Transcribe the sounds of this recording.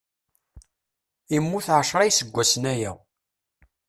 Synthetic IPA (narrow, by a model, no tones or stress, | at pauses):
imːuθʕəʃɾˤɑjsəɡʷːæsənæjæ̰w